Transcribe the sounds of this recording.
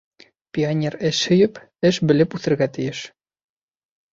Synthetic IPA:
pʲionʲeɾɘʃhɵ̆jɘp | ɘʃbɘ̆lɘpʉθɘ̆ɾɡæt̪ɘ̆jɘʃ

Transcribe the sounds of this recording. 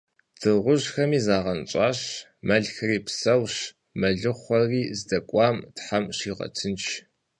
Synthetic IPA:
d̥ʰɨʁʷʊʑxɐmiːzaːʁɐnt͡ʃʼɑːɕmɐɮxɨriːpsɐwɕ | mɐɮɨχʷɔriːzdɐkʷʼɑːmtħamɕiːʁɐ̰tʰɨnt͡ʃʰ

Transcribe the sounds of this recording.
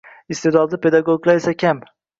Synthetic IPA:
ɪst̪ed̪ɒd̪d̪ˠɪpʰe̞d̪aɡoɡlˠaɾesakʲʰam

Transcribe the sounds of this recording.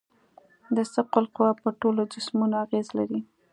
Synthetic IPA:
d̪əsəqʊlqʊwɑpəʈolod͡ʒɪsmunoaɣezlaɾi

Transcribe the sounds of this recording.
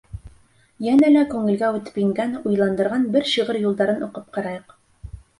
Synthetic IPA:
jænælækʉŋɘ̆lɡæʉt̪ɘ̥pjɘ̆ŋɡænujlˠɑnd̪ɤ̆ɾʁɑnbɘɾɕɤʁɤɾjulˠd̪ɑɾɤnŭqɤp̚qɑɾɑjɤq

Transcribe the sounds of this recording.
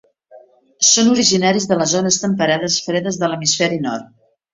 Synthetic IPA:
sonuɾiʒinaɾizðələzonəst̪əmpəɾaðəsfɾɛðəzðələmisfɛɾinɔrt̪̚

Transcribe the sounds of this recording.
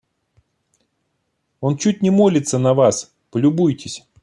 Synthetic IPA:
o̞nt͡ɕut̚ʲnʲɪmo̞lʲɪt̪sənɐvas | pəlʲʊbujtʲɪsʲ

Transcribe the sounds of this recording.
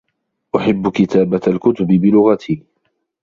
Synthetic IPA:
ʔʊħɪbːkɪt̪aːbaalkʊt̪ʊbɪbɪlʊɣat̪ʰiː

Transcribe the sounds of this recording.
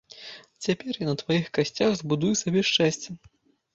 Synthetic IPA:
t͡sʲapʲɛrjanɐt̪vajixkasʲt͡sʲaɣzbud̪ujusabʲɛʂt͡ʂɛsʲt͡sʲɛ

